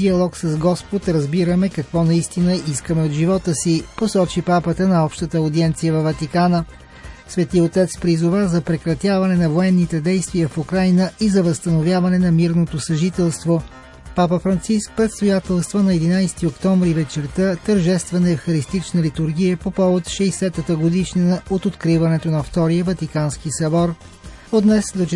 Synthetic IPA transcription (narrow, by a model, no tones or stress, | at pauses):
iɐlˠɔksɐzɡɔspot̪ɾɐzbiɾəmɛkɐkvɔnɐist̪inəiskəmɛod̪ʒivɔt̪əsiposɔt͡ʃipapət̪ənɐɔpʃt̪ət̪əod̪iɛnt̪sijəvɐvɐt̪ikanə | svɛt̪iot̪ɛt̪spɾizʊvazɐpɾɛkɾɐt̪javɐnɛnɐvoɛnːit̪ɛd̪ɛjst̪vijəfukɾajnəizɐvəst̪ɐnovʲjavɐnɛnɐmiɾnot̪osɐʒit̪ɛlˠst̪vo | papəfɾɐnt̪sisk̚pɾɛt̪st̪ojat̪ɛlˠst̪vənɐɛd̪inajsɛ̥t̪iokt̪ɔmvɾivɛt͡ʃɛɾt̪ət̪əɾʒɛst̪vɐnɛfxɐɾist̪it͡ʃnəlit̪uɾɡ̟ijəpopɔvot̪ʃɛjsɛt̪ət̪əɡod̪iʃninəot̪ot̪kɾivɐnɛt̪onɐft̪ɔɾijəvɐt̪ikanskisɐbɔɾ | od̪nɛsd̪ot͡ʃ